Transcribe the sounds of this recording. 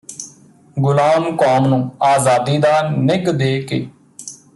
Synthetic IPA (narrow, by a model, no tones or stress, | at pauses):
ɡʊlaːmkoːmnũːaːzaːd̪iːd̪aːnɪɡd̪eːkeː